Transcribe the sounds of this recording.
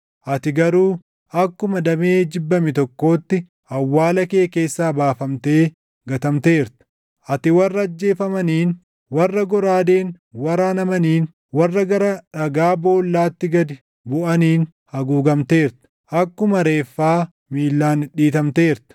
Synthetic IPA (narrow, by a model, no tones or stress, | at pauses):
ʔɐt̪ɪɡɐɾuː | ɐkːʊmɐd̪ɐmeːd͡ʒɪbːɐmɪt̪ɔkːo̞ːt̪ːɪ | ɐwːaːlɐke̞ːke̞ːsːaːbaːfɐmt̪e̞ː | ɡɐt̪ɐmt̪e̞ːɾt̪ɪ̥ | ʔɐt̪ɪwɐrːɐːd͡ʒːe̞ːfɐmɐniːn | wɐrːɐɡɔɾaːd̪eːn | wɐɾaːnɐmɐniːn | wɐrːɐɡɐɾɐᶑɐɡaːbo̞ːlːaːt̪ːɪɡɐd̪ɪ | bʊʔɐniːn | hɐɡuːɡɐmt̪e̞ːɾt̪ɐ̥ | ʔɐkːʊmɐɾe̞ːfːaː | miːlːaːnɪᶑiːt̪ɐmt̪e̞ːɾt̪ɐ̥